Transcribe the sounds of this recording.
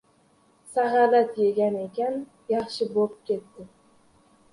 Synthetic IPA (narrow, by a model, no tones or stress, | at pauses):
saɦɑlat̪je̞ɡʲane̞kʲan | jɑχʃɪbop̚kʲe̞t̪ːɪ